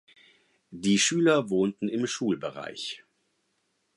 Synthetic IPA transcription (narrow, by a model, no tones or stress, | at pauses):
d̥iːʃyːlɐvoːntn̩ɪmʃuːlbəʁa̰ɪç